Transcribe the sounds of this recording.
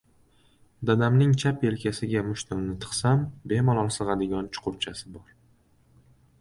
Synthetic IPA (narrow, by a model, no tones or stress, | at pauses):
d̪ad̪amnɪŋt͡ʃʰape̞lkʲʰasɪɡʲamʊʃt̪ʊɾnɪt̪ʰɨ̥qsambe̞malˠɒlˠsɨʁɑd̪ɪɡʲɒnt͡ʃʰʊ̥qʰʊɾt͡ʃʰasɪbɒɾ